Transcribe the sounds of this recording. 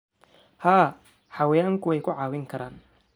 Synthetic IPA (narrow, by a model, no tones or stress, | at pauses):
haː | ħɑwɛjaːŋkʰʊwɛjkʰʊʕɑːwɪŋkʰɐɾaːn